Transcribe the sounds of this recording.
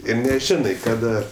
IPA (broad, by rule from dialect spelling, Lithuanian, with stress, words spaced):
ˈɪr nʲɛˈʒʲɪnɐɪ ˈkɑːdɐ